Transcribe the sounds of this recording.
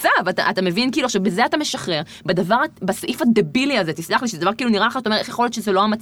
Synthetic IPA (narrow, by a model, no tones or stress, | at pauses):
avata̰ʔat̪ame̞vinkiːluaχʃavbezeatame̞ʃaχʁe̞ʁ | bed̪avaʁabasoʔifad̪ebiliazet̪islaχliʃezedavaʁkiːluniʁalaχataoeeχjeo̞let̪ʃezeloamat͡s